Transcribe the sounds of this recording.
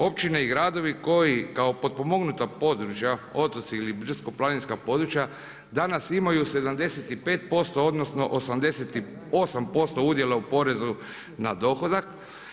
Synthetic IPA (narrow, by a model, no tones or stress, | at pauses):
o̞p̚t͡ʃine̞iɡɾaːd̪o̞ʋiko̞jikao̞po̞d̪̚po̞mo̞ɡnut̪apo̞d̪ɾut͡ʃjao̞t̪o̞t̪siːlibr̩sko̞plˠaninskapo̞d̪ɾut͡ʃja | d̪anasimajuse̞d̪amd̪e̞set̪ipe̞ːt̪̚po̞st̪o̞od̪nosno̞̰ʔosamd̪e̞set̪i | osampo̞st̪o̞ud̪je̞laupo̞ɾe̞zu | nad̪o̞xo̞d̪ak